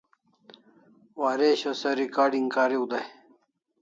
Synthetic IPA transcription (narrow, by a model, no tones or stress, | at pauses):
waːɾeɕɐsɐɾikaːɖiŋɡkaːɾiud̪ɐj